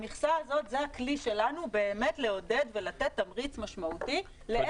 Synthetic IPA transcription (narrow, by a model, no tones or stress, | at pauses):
miχsaazo̞t̪zeakliʃe̞lanube̞ːme̞tle̞o̞de̞dvelat̪e̞t̪ːamʁit͡smaʃmauti | le